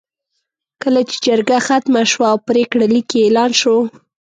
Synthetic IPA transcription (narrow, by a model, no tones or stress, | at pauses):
kəlat͡ʃe̥d͡ʒaɾɡaxat̪maʃwaːwpɾekɽalikeelɑnʃo